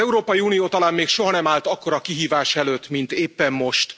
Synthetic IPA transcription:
ɛuɾoːpɒjiuːnijoːt̪ɒlaːmmeːkʃo̞ɦɒnɛmaːlt̪ɒkːo̞ɾɒkiɦiːvaːʃɛløːt̪ːmint̪eːpːɛmːmo̞ʃt̪

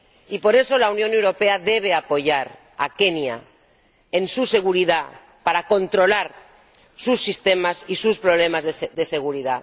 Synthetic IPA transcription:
ipo̞ɾe̞so̞launjõ̞ne̞wɾo̞pe̞aðe̞β̞e̞apo̞ʝaɾ | a̰ke̞nja̰ | ensuse̞ɣ̞uɾiða | paɾakõ̞nt̪ɾo̞laɾ | susːist̪e̞masisuspɾo̞β̞le̞mazðe̞se̞ɣ̞uɾiða

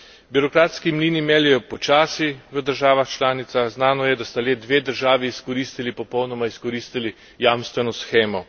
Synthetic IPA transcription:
biɾɔkɾaːt̪skimliːnimɛːljɛjɔpɔt͡ʃaːsiʋəd̪əɾʒaːʋaxt͡ʃlaːnit̪saxznaːnɔjɛd̪ast̪aleːd̪ʋeːd̪əɾʒaːʋiːskɔɾiːst̪ilipɔpɔwnɔmaiskɔɾiːst̪ili | jaːmst̪ʋɛnɔsxeːmɔ

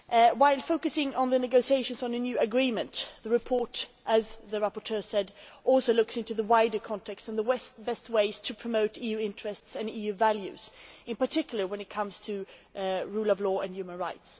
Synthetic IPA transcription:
waɪlˠfoʊkɨsɪ̃ŋə̃nðɨnɨɡoʊsieɪʃɨ̃nz̃n̩ɨnjʉɨɡɹĩmɨ̃ntðəɹɨpʰɔɹɾʔɨzðɨɹæpə˞tʰɜ˞sɛdʔɔlˠsoʊlʊksɪ̃ntʉðəwaɪdə˞kʰɑ̃ntʰɛkstə̃nðəwɛsb̥ɛst̚weɪz̥tʰɨpʰɹ̥ɨmoʊɾijʉɪ̃nt͡ʃɹ̥ɨstsɨ̃nijʉvælˠjʉ̰z̥ɨ̃npə˞tʰɪkjl̩ˠə˞wɨ̃nɨt̚kʰʌ̃mz̥tʰɨ | ɹulˠʌvlɔːɨ̃njʉmə̃nɹaɪts

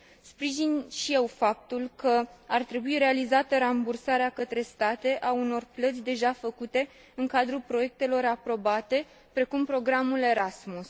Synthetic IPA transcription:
spɾiʒinʃije̞wfap̚t̪ulkəart̪ɾe̞buiɾe̞alizat̪əɾambursaɾeakət̪ɾe̞st̪at̪e̞ʔauno̞rplət̪sʲd̪e̞ʒafəkut̪e̞ | ɨŋkad̪ɾupɾo̞je̞k̚t̪e̞lo̞ɾapɾo̞bat̪e̞ | pɾe̞kumpɾo̞ɡɾamule̞ɾasmus

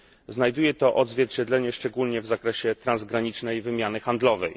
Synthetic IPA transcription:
znajd̪ujɛt̪ɔʔɔd̪zvʲjɛɾt͡ɕɛd̪lɛɲɛʂt͡ʂɛɡulɲɛvzakɾɛɕɛt̪ɾanzɡɾaɲit͡ʂnɛjvɘmʲjanɘxand̪lɔvɛj

